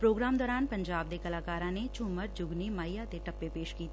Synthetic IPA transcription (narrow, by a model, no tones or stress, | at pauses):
pɾoːɡɾaːmd̪ɔːɾaːnpɐ̃ɲd͡ʒaːb̚d̪ekɐlaːkaːɾãnet͡ʃʊːməɾd͡ʒʊɡnimaːjat̪eʈɐpːepeːʃkiːt̪ː